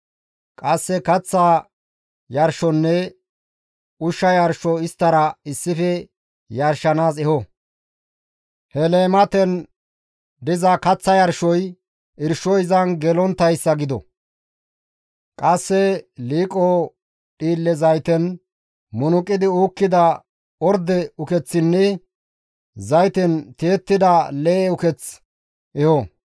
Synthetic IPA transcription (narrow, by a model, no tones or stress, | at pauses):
kʼɐsːɛkɐt͡sːa | jɐɾʃɔnːɛ | ʊʃːɐjɐɾʃɔɪst̪ːɐɾɐɪsːɪfɛ | jɐɾʃɐnaːzɛhɔ | hɛleːmɐt̪ɛn | d̪ɪzɐkɐt͡sːɐjɐɾʃɔj | ʔɪɾʃɔjzɐnɡɛlɔnt̪ːɐjsːɐɡɪd̪ɔ̰ | kʼɐsːɛliːkʼoː | ɗiːlːɛzɐjt̪ɛn | mʊnʊkʼːɪd̪ɪuːkːɪd̪ɐ | ɔɾd̪ɛʊkɛt͡sːɪnːɛ | zɐjt̪ɛnt̪eːt̪ːɪd̪ɐleːʊkɛt͡s | ʔɛhɔ